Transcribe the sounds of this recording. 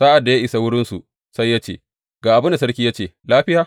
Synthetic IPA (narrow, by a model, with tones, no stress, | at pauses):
saː˦ʔa˨dːa˨ja˦ʔɪ˨sa˨wʊ˦ɽɪ˦nsu˨ | sa˦jːa˦t͡ʃḛː˦˨ | ɡ̥aː˨ʔa˨bʊ˦nda˨sɐ˦ɾkʲiː˦ja˦t͡ʃeː˦˨laː˦ɸɪ˦jaː˨